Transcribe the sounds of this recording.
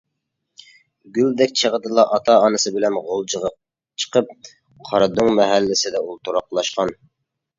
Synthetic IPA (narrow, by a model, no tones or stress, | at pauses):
ɡʲyld̪ɛkʲt͡ʃʰəʁəd̪ɨlˠɑʔɑt̪ʰɑːnɨsɨbɪlɛnʁolˠd͡ʒʁ | t͡ʃʰə̥qʰəp̚ | qʰɑɾɑd̪uŋmɛɦælːɪsɪd̪ɛulˠt̪ʰuɾɑqlˠɑʃqɑn